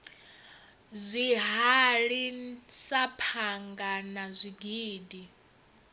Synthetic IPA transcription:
zʷiɦaɺisapʰaŋɡanazʷiɡiːdi

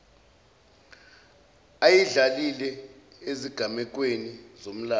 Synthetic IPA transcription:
ajiɮalilɛ | eziɡ̥ʱamɛk̬wenizom̩laː

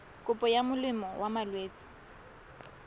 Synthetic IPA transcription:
kʼʊpʼɔjamʊlɪmɔwʔamalweːt͡sʼɪ̥

